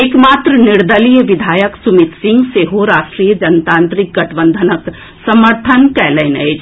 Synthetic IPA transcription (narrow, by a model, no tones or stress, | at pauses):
ekmaːt̪ɾənɪɾd̪əlijəʋɪd̪ʱaːjəksʊmɪt̪sɪ̃ŋɡseɦoɾaːʃʈɾijəd͡ʒɐnt̪ãːnt̪ɾik̚ɡɐʈʰəbə̃nd̪ʱənək | səməɾt̪ʰənkɛːləːnəed͡ʒ